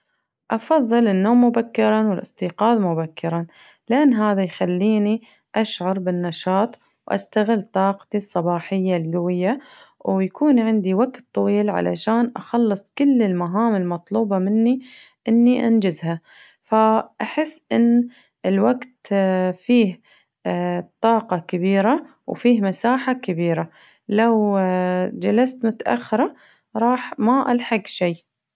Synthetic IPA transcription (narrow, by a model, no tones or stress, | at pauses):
ʔɑfɑðˤːɨlɪnːoːmːʊbakːɪɾˤɑwɪlʔɨsˤt̪iːqɑːðmʊbakːɪɾˤa | lʔanːɦaːðajxalːiːni | ʔaʃʕɑɾˤbɪnːɑʃɑːt̪ˤ | wʔa̰st̪aɣɪlːt̪ˤɑːqt̪isˤːɑbɑːħɪjːalɡawɪjːa | wjakuːnʕɪnd̪iwaɡt̪ˤːɑwiːlʕa̰la̰ʃaːnʔɑxɑlːɨsˤkʊlːɪlmaɦaːmɪlmɑt̪ˤluːbɑmɪnːi | ʔɪnːiʔa̰nd͡ʒɪzha | faʔaħɪsːʔɪnː | ɪlwaɡt̪fiːh | t̪ˤɑːqɑkɪbiːɾa | wfiːhmasaːħakɪbiːɾa | law | d͡ʒalast̪mʊt̪aʔa̰xːɪɾˤɑ | ɾˤɑːħmaʔalħaɡʃiː